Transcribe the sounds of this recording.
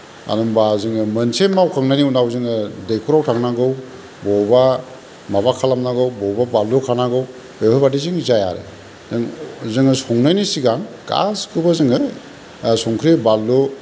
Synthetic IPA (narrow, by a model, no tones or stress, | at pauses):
a̰dɔmbazɯŋɯmənsemawkʰaŋnajniunawzɯŋɯdejkʰuɾawtʰaŋnaɡɯw | bɔba | mabakʰalamnaɡɯwbɔwbabalːukʰanaɡɯw | ejajbadizɯŋizaja̰ɾḛ | zɯŋzɯŋɯsɔŋnajnisiɡaŋ | ɡ̥a̰skʰɯbazɯŋɯ | sɔŋkʰɾibalːu